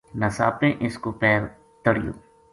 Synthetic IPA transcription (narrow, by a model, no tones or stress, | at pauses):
nəsa̰ːpẽʔɪskopɛːɾ | t̪əɽɪjo̰ː